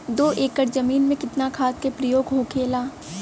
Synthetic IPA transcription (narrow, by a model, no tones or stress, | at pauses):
d̪oːʔeːkːəɾzɐmiːnmẽkɪt̪nakʰaːt̪̚kepɾəjoːɡɦokʰeːlaː